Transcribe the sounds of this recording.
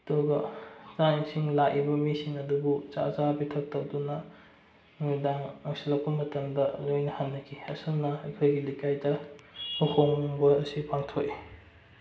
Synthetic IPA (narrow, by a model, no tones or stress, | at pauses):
toɡɐzansiŋlaʔibɐmisiŋɐdubut͡ʃa̰zabitʰɐk̚tɐk̚dunɐ | nudaŋɐksilɐk̚pɐmɐtɐmdɐlojnɐhanːɐkʰiɐsɐlnɐɐjkʰojɡilikajdɐhukʰoŋŋbɐɐsipaŋtʰoʔi